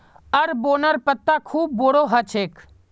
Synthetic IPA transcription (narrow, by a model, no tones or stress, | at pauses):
ɐɾboːnəɾpət̪ːakʰuːb̚ːoːɽoɦɐt͡ʃʰeːk